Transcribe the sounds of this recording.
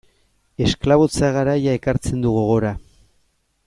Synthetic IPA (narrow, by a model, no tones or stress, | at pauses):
e̞sklaβo̞t͡saɣaɾajae̞kaɾt͡se̞nd̪uɣoɣ̞o̞ɾa